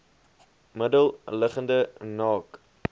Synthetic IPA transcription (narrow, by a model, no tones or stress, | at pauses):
mədəlˠləχəndənɑːk